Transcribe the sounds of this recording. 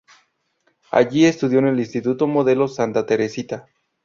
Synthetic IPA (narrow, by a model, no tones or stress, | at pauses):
a̰ʝie̞st̪uðjo̞ne̞linst̪it̪ut̪o̞mo̞ðe̞lo̞sant̪at̪e̞ɾe̞sit̪a